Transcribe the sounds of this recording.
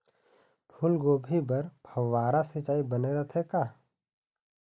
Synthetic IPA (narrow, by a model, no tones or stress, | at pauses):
pʰʊlɡoːbʱibɐɾbʱʰɐwːaːɾasɪt͡ʃaːibəneɾɐt̪ʰekaː